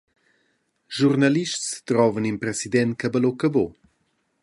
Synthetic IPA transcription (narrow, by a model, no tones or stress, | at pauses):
ʒurnaliʃtst̪ɾɔvəninpɾɛsid̪ɛn̚kabəlokəbo